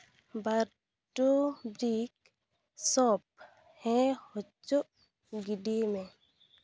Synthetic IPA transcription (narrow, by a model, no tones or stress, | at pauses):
baɾ | ʈobɾik | sɔp̚ | hɛ̃hot͡ʃo | ɡiɖimẽ